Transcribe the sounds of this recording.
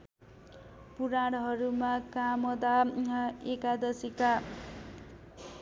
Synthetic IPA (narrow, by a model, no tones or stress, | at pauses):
puɾaɽɦʌɾumakamʌd̪a | ekad̪ʌsika